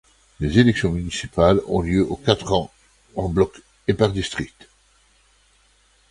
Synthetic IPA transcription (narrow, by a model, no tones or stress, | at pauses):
lezelɛksjɔ̃mynisipalɔ̰̃ljøʔokat̪χɑ̃ | ɑ̃blɔk | epaʁd̪ist̪χik̚t̪